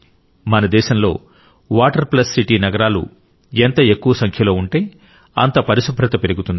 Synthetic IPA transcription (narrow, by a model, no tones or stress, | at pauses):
mɐnɐd̪ɛːʃɐmlo̞̰ː | ʋaːʈɐɾplɐsːiʈiːnɐɡɐɾaːlṵ | ent̪ɐe̞kːuʋɐsɐŋkʰjɐlo̞ːuɳʈeːj | ɐ̰nt̪ɐpɐɾisupʰɾɐt̪ɐpeɾiɡut̪und̪i